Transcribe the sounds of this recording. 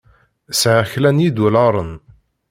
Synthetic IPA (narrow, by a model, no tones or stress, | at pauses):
sʕəçlænjid̪ulɑɾˤən